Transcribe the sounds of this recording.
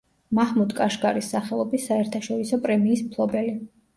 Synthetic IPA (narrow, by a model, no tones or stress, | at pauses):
mahmud̪kʼaʃɡʼaɾisːaχɛlˠɔbisːaɛɾt̪ʰaʃɔɾisɔpʼɾɛmiːsmpʰlˠɔbɛli